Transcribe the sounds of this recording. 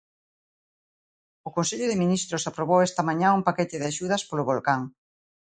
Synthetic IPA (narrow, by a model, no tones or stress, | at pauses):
ʊkõnseʎʊðɪminist̪ɾʊsapɾoβowɛst̪ɐmaɲãumpaket̪ɪðaʃuð̞ɐspolʊβolkaŋ